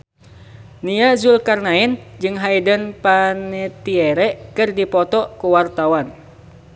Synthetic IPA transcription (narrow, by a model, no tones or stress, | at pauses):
niazulkarnaɛnd͡ʒɨŋɦaidənpanɛt̪iɛɾɛkɨrdipɔt̪ɔkuwart̪awan